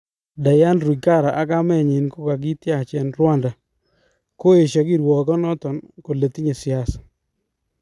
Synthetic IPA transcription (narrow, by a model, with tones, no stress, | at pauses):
da˨ja˦nɾi˨ka˦ɾa˨ʔa˦ka˦mɛ˦˨ɲɪ˨nko˦ka˨ɡi˦t̪ja˨t͡ʃɛ˨nɾwa˦nda˨ | ko˦je˨ʃa˨ɡi˦ɾwɔ˨kɔ˦nɔ˦t̪ɔ˨nko˨le˨t̪i˦ɲe˨sɪ˨a˦sḁ˨